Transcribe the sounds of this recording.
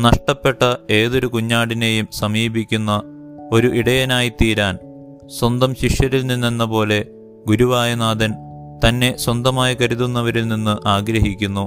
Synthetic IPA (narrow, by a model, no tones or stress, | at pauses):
nɐʂʈɐpːe̞ʈːɐe̞ːðo̞ɾukuɲːaːɽinejumsɐmiːbikʲːunːɐ | o̞ɾuʔiɽɐjɐnaːjit̪iːɾaːn | swɐnd̪ɐmɕiʂjɐɾilnːinːinːɐpo̞ːle̞ | ɡuɾuʋaːjɐnaːd̪ɐn | t̪ɐnːe̞swɐnd̪ɐmaːjikɐɾuðunːɐʋɐɾilninːɨʔaːɡɾɐɦikʲːunːu